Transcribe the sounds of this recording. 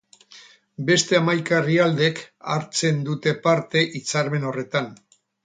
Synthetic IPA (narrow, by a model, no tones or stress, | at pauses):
be̞st̪e̞amajkariald̪e̞ka̰ɾt͡se̞nd̪ut̪e̞paɾt̪e̞ʔit͡saɾme̞no̞re̞t̪an